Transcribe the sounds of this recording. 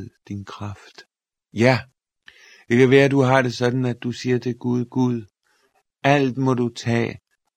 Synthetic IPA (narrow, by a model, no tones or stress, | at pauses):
ðˠd̥inkʰʁɑfd̥ | jæ | d̥e̝kæʋæːɐduɦɑ̈ɾ̥e̝sɒ̽d̥n̩æd̥ːusiːɐd̥ʰe̝ɡ̥uð̞ˠɡ̥uð̞ˠ | æl̰d̥mɒ̽ɾ̥ut͡sʰɛ̰ː